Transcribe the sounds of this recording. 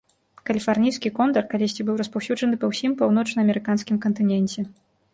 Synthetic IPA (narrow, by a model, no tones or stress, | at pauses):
kɐlʲifarnʲijskʲikɔnd̪ɐrkalʲisʲt͡sʲibɨwɾɐspawsʲuʐɐnɨpɐwsʲimpawnɔt͡ʂnɐːmʲɛɾɨkanskʲimkɐnt̪ɨnʲɛnʲt͡sʲɛ